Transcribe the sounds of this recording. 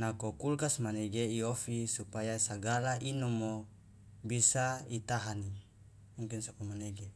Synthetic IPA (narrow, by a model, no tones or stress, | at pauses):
nakokulkasmaneɡeiofisupajasaɡalaʔinɔmːo | bisait̪aɦani | muŋkinsakomaneɡe